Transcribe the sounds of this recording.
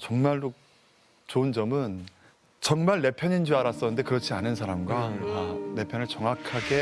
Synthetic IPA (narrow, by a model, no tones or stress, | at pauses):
t͡ɕʌŋmaɭdo | t͡ɕoɯnd͡ʑʌmɯn | t͡ɕʌŋmaɭːe̞pʰjʌɲind͡ʑuaɾas͈ʌɯnde̞kɯɾʌt͡ɕʰianɯns̬ʰaɾamɡwakane̞pʰjʌnɯɭt͡ɕʌŋakʰaɡe̞